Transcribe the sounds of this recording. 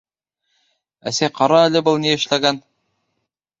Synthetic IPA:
æ̰sæjqɑɾɑælʲɘbɤlˠniɘ̆ʃlæɡæn

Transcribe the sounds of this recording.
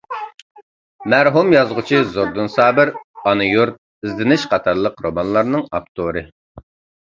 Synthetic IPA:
mæɾɦumjɑzʁʊt͡ʃʰizoɾd̪ɨnsɑːbɪɾɑnɨjuɾt̪̚ | izlɪnɪʃqʰɑt̪ʰɑɾlˠəqɾomɑnlˠɑɾnɨŋɑp̚t̪ʰoɾɨ

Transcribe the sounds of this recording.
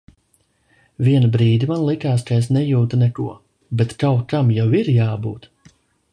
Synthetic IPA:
viɛnabɾiːd̪ʲimanlˠikaːskaesnɛjuːt̪unɛkṵɔ | bɛt̪kawkamjawiɾjaːbṵːt̪

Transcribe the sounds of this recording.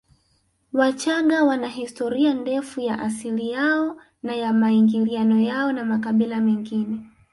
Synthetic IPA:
wat͡ʃaŋɡawanaɦistɔɾiandɛfujaʔasilijaɔ | najamaiŋɡilianɔjaɔnamakaɓilamɛŋɡinɛ

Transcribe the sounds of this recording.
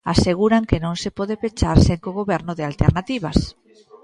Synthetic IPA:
aseɣ̞uɾaŋkenõŋsepɔðepet͡ʃaɾseŋkoɣoβɛɾnʊðɪalt̪ḛɾnat̪iβ̞a̰s

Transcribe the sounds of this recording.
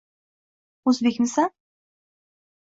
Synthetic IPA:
ɵzbekʲmɪsa

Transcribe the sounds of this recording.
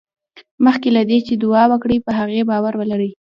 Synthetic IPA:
məxkelad̪et͡ʃed̪ʊɑwəkɽipəɦaɣebɑwaɾwəlaɾəj

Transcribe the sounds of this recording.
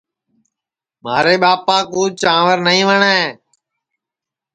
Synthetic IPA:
ma̰ːɾeːɓaːpaːkuːt͡ʃãːʋəɾnəĩːʋəɳeeː

